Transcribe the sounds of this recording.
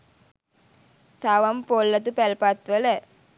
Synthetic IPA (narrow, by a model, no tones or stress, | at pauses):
t̪ʰaʋɐmpolːɐt̪̬upɛlpat̪ʋələ